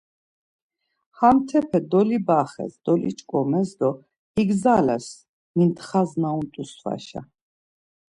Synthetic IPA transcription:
hamt̪ʰɛpʰɛd̪ɔlibaχɛ̰sd̪ɔlḭt͡ʃʼkʼɔmɛsd̪ɔ | iɡzalɛ̰s | mint̪χaznaunt̪ʼusva̰ʃa̰

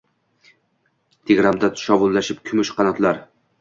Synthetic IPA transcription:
t̪ʰeɡʲɾamd̪at̪ʰʊ̥ʃɒvʊlˠːaʃɪp̚kʲʰʊmʊʃqʰɑnat̪laɾ

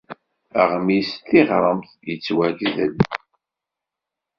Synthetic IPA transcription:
əʁmist̪ːiʁɾˤəmθ | jət͡sːwæɡzəl

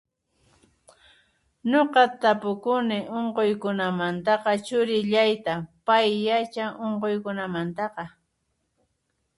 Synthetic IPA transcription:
ɲoqɑt̪apʊkʊnɪʔoɴqojkʊnamant̪ɑqɑt͡ʃʊɾɪʎajt̪apajːat͡ʃaʔoɴqojkʊnamant̪ɑqɑ

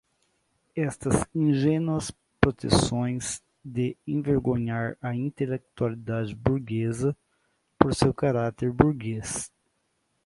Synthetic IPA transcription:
ɛst̪ɐzĩʒẽnwɐs | pɾot̪ḛsõj̃z | d̪eẽveɾɡõɲaɾɐĩnt̪elek̚t̪ualid̪ad͡ʒɪbuɾɡezɐ | poɾsewkaɾat̪eɾbuɾɡes

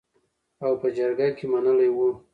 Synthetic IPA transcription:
awpəd͡ʒaɾɡakemanəlajwu

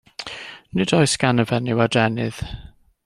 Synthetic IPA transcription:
nɪdɔjskanəvɛnɪwadɛnɪð̥

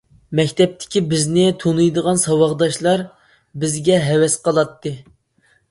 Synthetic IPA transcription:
mɛkʲt̪ʰɛp̚t̪ʰɪ̥kʲibɪznɪt̪ʰonujd̪əʁɑnsɑwɑʁd̪ɑʃlˠɑɾ | bɪzɡʲɛɦɛwɛsqʰɑlˠɑt̪ːɨ

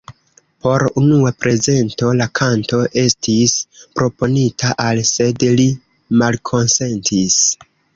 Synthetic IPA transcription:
po̞ɾunuapɾe̞ze̞nto̞lakʰanto̞ʔe̞stispɾo̞po̞nitʰaʔalse̞dli | malkʰo̞nse̞ntʰis

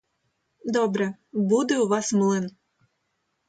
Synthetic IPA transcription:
d̪ɔbɾɛbud̪ɛʊʋɑsmɨlˠɪn

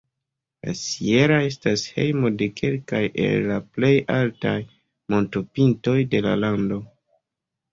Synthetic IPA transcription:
la̰sie̞ɾae̞stashe̞̰jmo̞de̞kʰe̞lkajʔe̞̰lːaple̞jaltaj | mo̞ntopinto̞jde̞la̰lando̞

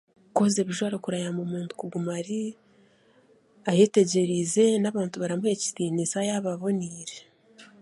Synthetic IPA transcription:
koze̞βiʒwaːɾokuɾajamumuːntu̥kuɡumaɾi | aje̞ːte̞ɟe̞ɾize̞naβaːntuβaɾamue̞ci̥tiːnisajaβaβo̞niːɾe

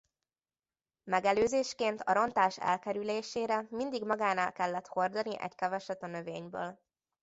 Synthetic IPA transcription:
mɛɡɛløːzeːʃkeːnt̪ɒ̰ɾo̞nt̪aːʃɛ̰lkɛɾyleːʃeːɾɛmind̪iɡmɒɡaːnaːlkɛlːɛt̪ho̞rd̪ɒniʔɛ̰ckɛvɛʃɛt̪ːɒnø̞vḛːɲbø̰ːl

